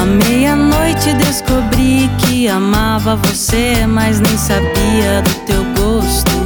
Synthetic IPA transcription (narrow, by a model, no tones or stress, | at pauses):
ɐmejɐnojt͡ʃɪd̪eskobɾikɪamavɐvosemɐznẽj̃sabiɐd̪ʊt̪ewɡost̪ʊ